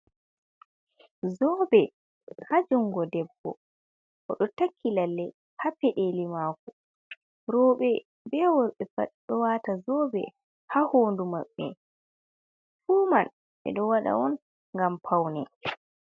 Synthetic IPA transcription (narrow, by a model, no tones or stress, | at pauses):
zɔbɛ | had͡ʒuŋɡɔdɛbːɔ̰ | ʔɔɗɔtakʰːilalːɛ | hapɛɗelimaːkɔ | ɾɔːɓɛ | bɛwɔɓɛfaɗɔwaːtazɔːbɛ̰ | hahoːndumaɓːɛ̰ | fuːman | ɓɛ̰ɗɔwaɗa̰wɔn | ŋɡampʰawnɛ